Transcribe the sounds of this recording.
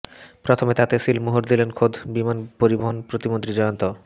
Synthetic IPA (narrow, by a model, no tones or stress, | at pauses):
pɾot̪ʰomet̪at̪esilmoɦoɾd̪ilenkʰod̪ʱbimanpoɾiboɦonpɾot̪imont̪ɾid͡ʑɔjont̪o